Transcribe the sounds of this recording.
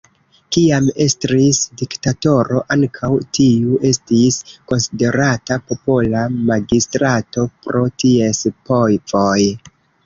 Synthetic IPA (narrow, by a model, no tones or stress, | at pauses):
kiame̞stɾisdiktato̞ɾo̞ʔaŋkʰawtiuʔe̞stisko̞nside̞ɾatapo̞po̞lamaɡistɾato̞pɾo̞tie̞spo̞jvo̞j